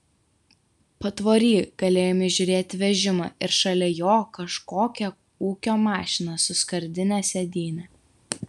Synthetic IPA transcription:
pɐt̪ʋoːɾʲiːɡ̥ɐlʲeːjoːmʲɪʒʲʊɾʲeːt̪ʲʋʲɛʒʲɪmɑ̰ːʔɪɾʃɐlʲɛjoːkɐʃkoːkʲɛ | uːkʲoːmɑːʃʲɪnɐsʊskɐɾʲd̪ʲɪnʲɛsʲɛd̪ʲiːnʲɛ

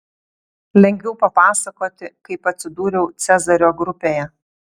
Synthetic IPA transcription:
lʲɛŋʲɡʲʋʲɛʊpɐpɑːsɐkoːt̪ʲɪkɐɪpɐt̪ʲsʲɪd̪uːɾʲɛʊt̪sʲɛzɐɾʲoːɡɾʊpʲeːjɛ

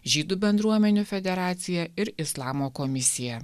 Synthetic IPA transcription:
ʒʲiːd̪uːbʲɛnd̪ɾuɔmʲɛnʲuːfʲɛd̪ʲɛɾɑːt̪sʲɪjɛɪɾɪslˠɑːmoːkɔmʲɪsʲɪjɛ

